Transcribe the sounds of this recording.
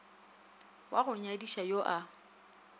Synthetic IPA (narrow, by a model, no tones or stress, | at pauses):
waɣʊɲadiʃajoʔa